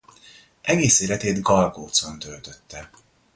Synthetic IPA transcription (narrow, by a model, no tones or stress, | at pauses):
ʔɛɡeːseːlɛt̪eːd̪ɡɒlɡoːt̪so̞nt̪ølt̪øt̪ːɛ